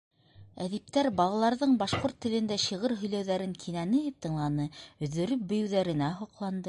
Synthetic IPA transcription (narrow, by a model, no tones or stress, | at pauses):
æðip̚t̪æɾbɑlˠɑlˠɑɾðɤɴbɑʃqoɾt̪ːɘ̆lɘ̆nd̪æɕiʁɤɾɦɵ̆jlæwðæɾɘŋkʰinænɘjɘp̚t̪ɤ̆ɴlˠɑnɤɵ̆ðɵ̆ɾɵp̚bɵ̆jɘ̆wðæɾɘ̆næɦoqlˠɑnd̪ɤ